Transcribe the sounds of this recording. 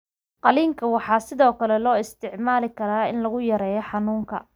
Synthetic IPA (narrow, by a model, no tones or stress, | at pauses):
qɑliːŋkʰɐwɑħɑːsɪðɔːkʰɐlɛlɔːɪst̪ʰɪʕmaːlɪkʰɐɾaːɪnlɐɣʊjɐɾɛːjɔħɑnuːŋkʰɐ̰